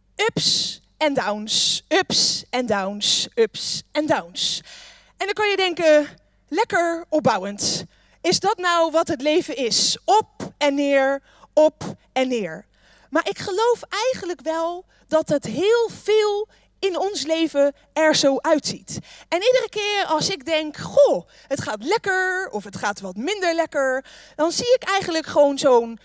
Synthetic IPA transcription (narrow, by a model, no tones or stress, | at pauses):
ɵps | ɛndawnsɵpsɛndawnsɵpsɛndawns | ɛndɑkɑnjədɛŋkə | lɛkəɹɔp̚bʌwənt | ɪzdɑtnɔwʋɑtɦətlejvənɪsɔp̚ɛnːɪːɹ | ɔp | ɛnːɪːɹ | maːɹʔɪkχəlowfʔɛjχənləkʋɛlˠ | dɑtətɦɪːlˠv̥ɪːlˠ | ɪnɔnslejvə | ɛɹzowʔœɥtsitɛnidərəkɪːɹɑlˠsɪɡ̚dɛŋkχo | ɦətχaːtlɛkəɹɔfətχaːtʋɑtmɪndəɹlɛkəɹd̥ɑnziɪkɛjχənləkχəʋownzown